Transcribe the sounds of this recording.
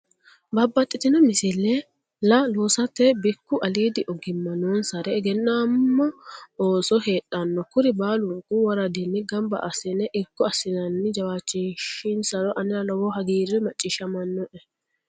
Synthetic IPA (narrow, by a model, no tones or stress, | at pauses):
bɐbːɐt̪ʼːɪt̪ɪnɔmɪsɪlːɛ | lɐloːsɐt̪ːɛbɪkːʊʔɐliːd̪ɪʔɔɡɪmːɐnoːnsɐɾɛɛɡɛnːaːmːɔoːsɔɦeːtːɐnːɔkʊɾɪbaːlʊŋkuwɐɾɐd̪ɪnːɪɡɐmbɐ̰ʔɐsɪnɛʔɪkːɔɐsːɪnɐnːɪd͡ʒɐwaːt͡ʃːɪnʃɪnsɐɾɔʔɐnɪnɐlɔwɔɦɐɡiːɾɛmɐt͡ʃʼːɪʃɐmɐnːɔʔɛ